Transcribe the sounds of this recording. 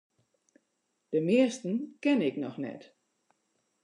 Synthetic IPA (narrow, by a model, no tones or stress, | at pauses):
d̥əmɪəstn̩kɛnɪknɔxnɛ̰t